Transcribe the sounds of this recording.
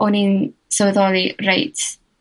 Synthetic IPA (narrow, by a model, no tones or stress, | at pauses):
ɔninsəwəðɔlˠirejtʰ